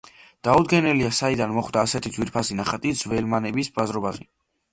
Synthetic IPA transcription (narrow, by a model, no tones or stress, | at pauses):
d̪̥aud̪̚ɡɛnɛliasaid̪anmɔχd̪aːsɛt̪ʰid̪zwiɾpʰasinaχat̪ʼizvɛlmanɛbisbazɾɔbazɛ